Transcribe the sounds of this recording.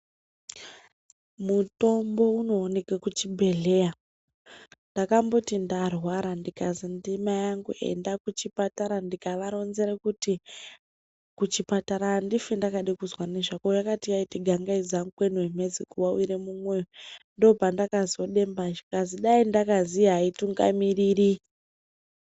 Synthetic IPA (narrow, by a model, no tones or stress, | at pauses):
muto̞mbo̞unoːne̞kakut͡ʃibʱe̞ɮe̞ja | ndakambotindarwaɾandikazindimajaŋɡuʔḛndakut͡ʃipataɾandikaʋaɾo̞nzeɾekuti | kut͡ʃipataɾandifendakaɗikuzwane̞ʐakojakatijaitiɡʱaŋɡaizaŋɡukwenuwemed͡zikuwawiɾemumwejondo̞pandakazo̞ɗe̞mbaʒikaziɗaindakaziɦaituŋɡa̰miriri